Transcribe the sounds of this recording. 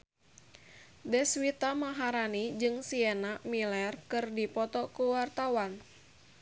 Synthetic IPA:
dɛswit̪amaɦaɾanid͡ʒɨŋsiɛnamilɛrkɨrdipɔt̪ɔkuwart̪awan

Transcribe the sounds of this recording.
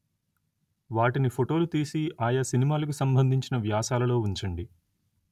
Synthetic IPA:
ʋaːʈinipʰoʈo̞ːlut̪iːsiaːjasinimaːlɐk̬usɐmbʱɐnd̪ʱiɲt͡ʃinɐʋjaːsaːlɐlo̞ːuɲt͡ʃɐɳɖi

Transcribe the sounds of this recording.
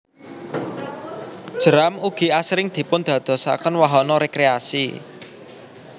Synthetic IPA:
d̥ʒ̥əɾamuɡ̥i̤asɾɪŋd̪̥i̤pʊnd̪̥ä̤d̪̥ɔ̤sa̰kənwaɦɔnɔɾekɾeasḭ

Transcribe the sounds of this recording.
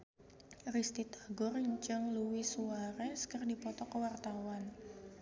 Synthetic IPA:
rist̪it̪ḁɡʊrɲt͡ʃəŋluwisuaɾɛskərdipɔt̪ɔkəwart̪awan

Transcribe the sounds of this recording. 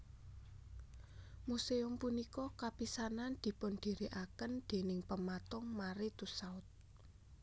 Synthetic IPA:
museʊmpunikɔkapisanand̪̥i̤pʊnd̪̥i̤ɾiʔakənd̪̥e̤nɪŋpəmat̪ɔŋmaɾit̪usaʊt̪̚

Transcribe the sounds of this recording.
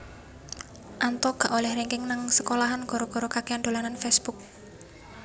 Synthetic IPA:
ʔant̪ɔɡ̥a̤ʔolɛhɾeŋkɪŋnaŋsəkolaɦanɡ̥ɔɾɔɡ̥ɔɾokakeand̪o̤lananfɛsb̥uk̚

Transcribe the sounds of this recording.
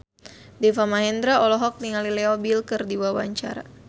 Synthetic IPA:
dɛfamaɦɛnd̪ɾaʔɔlɔɦɔk̚niŋalileɔbilkɨrdiwawa̰ɲt͡ʃa̰ɾa̰

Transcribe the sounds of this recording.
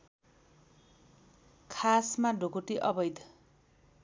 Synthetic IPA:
kʰasmaɖʱokuʈiʔʌbʌjd̪ʱ

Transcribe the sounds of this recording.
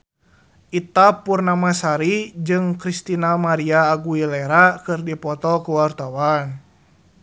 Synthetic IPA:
ʔit̪apurnamasaɾid͡ʒɨŋkɾist̪inamaɾiaːɡuilɛɾakɨrdipɔt̪ɔkuwart̪awan

